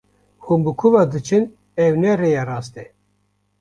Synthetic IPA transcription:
hunbɨkʰuvɑd̪ɨt͡ʃʰɨn | ɛwnɛrejɑrɑːst̪ɛ

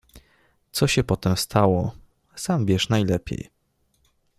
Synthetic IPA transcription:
t̪sɔɕɛpɔt̪ɛmst̪ʰawɔ | sambʲjɛʂnajlɛpʲjḛj

